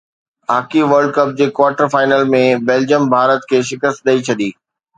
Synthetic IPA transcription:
aːkiʋəɾɖ̚kɐp̚d͡ʑeːkwaːɾʈəɾfaːɪnəlmẽbɛːld͡ʑəmbʱaːɾət̪kʰeːʃɪkəst̪̚ɗ̪ɐit͡ɕʰɐɗiː

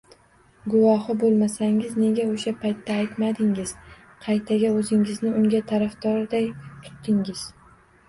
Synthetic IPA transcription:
ɡʊvɒhɨbolˠmasaŋɪzne̞ɡʲaoʃapʰajt̪ːaːjt̪mad̪ɪŋɪz̥ | qʰɑjt̪ʰaɡʲaɵzɪŋɪznɪʊŋɡʲat̪ʰaɾafd̪ɒɾd̪ajt̪ʰʊ̥t̪ːɪŋɪz̥

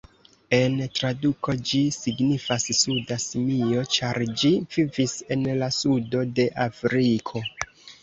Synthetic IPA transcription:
e̞ntɾaduko̞d͡ʒisiɡnifassudasimio̞t͡ʃaɾd͡ʒivivise̞nlasudo̞de̞ʔafɾikʰo̞

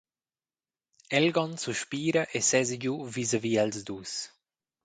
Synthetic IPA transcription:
ɛlɡɔnsuʃpiːɾɐʔesɛzɟuvizaviːalzd̪us

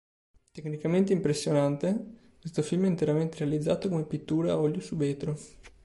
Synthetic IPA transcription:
t̪eknikament̪̬eimpɾesːjonant̪ekwest̪ofilmɛint̪eɾament̪eɾealid̪zːaːt̪okomepit̪ːuːɾaɔljosuveːt̪ɾo

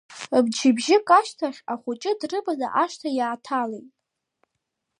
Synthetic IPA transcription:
bd͡ʒɪbʒɪkʼaʃtʰaχʲaχʷʊt͡ʃʼɪdrɨbaza̰ʔaʃtʰajaːtʰalejtʼ

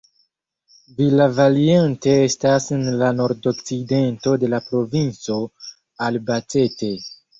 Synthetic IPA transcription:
vilavaliente̞estasenlano̞ɾdo̞kside̞nto̞de̞lapɾo̞vint͡so̞ | albate̞te̞

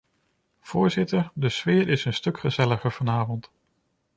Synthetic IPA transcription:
v̥ʊːɹzɪtəɹdəsʋɪːɹɪsənstɵkχəzɛləχəɹv̥ɑnaːvɔnt

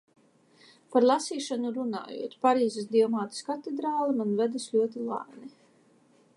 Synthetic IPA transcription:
paɾlˠasiːʃanuɾuna̰ːjṵɔt̪paɾiːzesd̪ʲiɔmaːt̪i̥skat̪ed̪ɾaːlˠimanvɛd̪aslʎʲuɔt̪̬ilˠa̰ːni

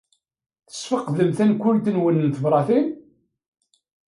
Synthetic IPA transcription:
θə̥sfəqːðəmθænkʊlt̪ənwənənt̪əvɾˤɑθin

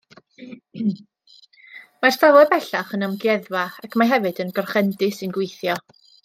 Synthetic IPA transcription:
marstavɛbɛɬaχənamɡjɛðwaakʰmaɦɛvɨdənɡɔrχɛndɨsɨnɡwejθjɔ

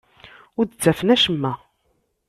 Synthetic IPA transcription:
ʊɾd̪ət͡sːæfənæʃəmːæ

